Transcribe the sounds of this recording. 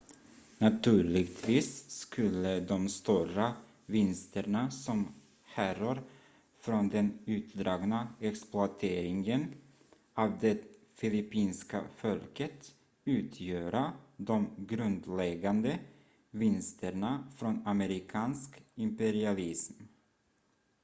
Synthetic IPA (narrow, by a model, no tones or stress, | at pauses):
nat̪ʉ̟ːɭɪɡt̪ʰviːsːkʰɵlːəd̪ɔmst̪uːɾa | vɪnst̪əɳasɔm | hærɔɾ | fɾɔnd̪ɛnʉ̟ːt̪d̪ɾɑːɡnaɛksplʊat̪ʰeːɾɪŋən | ɑːvd̪ɛ | fɪlɪpiːnska̰fɔlkət̪ | ʉ̟ːt̪ʰjøːɾad̪ɔmɡɾɵnd̪lɛɡand̪ə | vɪnst̪ʰəɳafɾɔnaməɾɪkʰɑːnskɪmpɛɾɪalɪsm